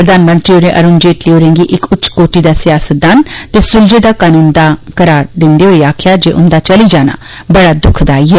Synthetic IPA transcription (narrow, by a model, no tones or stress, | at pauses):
pɾəd̪aːnmə̃nt̪ɾiːoneːʔə̰ɾʊːnd͡ʒeːʈliːoːɾẽːŋɡiːʔɪkʊtːt͡ʃkoːʈiːd̪aːsɪjaːsət̪̚d̪aːnt̪eːsʊld͡ʒeːd̪aːkaːnuːnd̪aːkəɾaːɾd̪ɪnd̪eːɦoːiːaːkʰjaːd͡ʒeːʔʊ̰nd̪aːt͡ʃəliːd͡ʒaːna̰ː | bəɽaːd̪ʊkʰd̪aːiːɦɛː